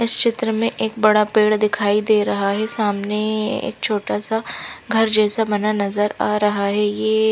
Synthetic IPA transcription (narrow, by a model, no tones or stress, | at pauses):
ɪst͡ʃɪt̪ɾəmẽʔeːk̚bɐɽapeːɽd̪ɪkʰaːid̪eːɾɐɦaɦɛsaːmneḛːk̚t͡ʃʰoːʈasaɡʱɐɾd͡ʒɛːsabɐnanɐzəɾaːɾɐɦaɦɛjeː